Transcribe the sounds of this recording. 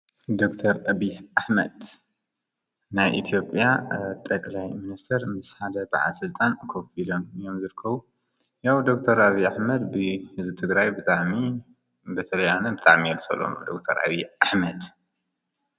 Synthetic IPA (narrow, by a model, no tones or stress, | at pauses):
d̪okt̪ʰɐɾʔɐβihʔaħmɐd̪ | najʔḭt̪ʰijo̞pʼjat̪ʼɐkʼlajminist̪ʰɐɾmɨsħad̪ɐba̰ʕa̰sɨlt̪ʼankʰofilomɨjo̞mzɨɾɨkʰːɐβu | jawd̪o̞kt̪ʰɐɾaβijaħmɐd̪bɨhɨzbɨt̪ʰɨɡɾajbɨt̪ʼaʕmi | bɐt̪ʰɐlɐjanɐbɨt̪ʼaʕmijɛlsʼɐ̰lo̰md̪okt̪ʰɐ̰ɾʔa̰βiʔaħmɐd̪